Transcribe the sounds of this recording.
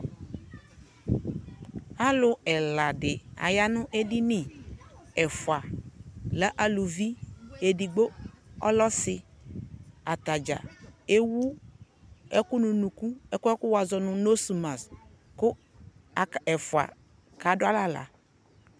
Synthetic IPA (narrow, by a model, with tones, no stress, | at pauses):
a˦lʊ˨ɛ˨la˨dɪ˨a̰˨ja˦nʊ̃˦ʔe˦dɪ˦nɪ˨ | ɛ˨fʊ˨a˨lɛ˦ʔa˦lʊ˨vi˦e˨di˨ɡ͡bo˦ɔ̰˦lɔ˦sɪ˨ | a˨t̪a˨d͡ʒa̰˨e˦wu˦ | ɛ˦kʊ˦nũ˨nũ˨ku˦ɛ˦kʊ˦ɛ˦kʊ˦wa˨zɔ˨nʊ̃˨no˦su˨ma˨s | kʊ˦˨ | ɛ˨fʊ˨a̰˨ | ka˨dʊ˦a˦la˦la̰˨